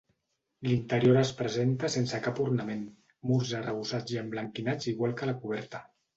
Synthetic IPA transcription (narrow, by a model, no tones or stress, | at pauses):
lint̪əɾjoɾəspɾəzent̪əsensəkapuɾnamen | muɾzərəβusaziəmblaŋkinat͡siɣwalˠkəlakuβɛɾt̪ə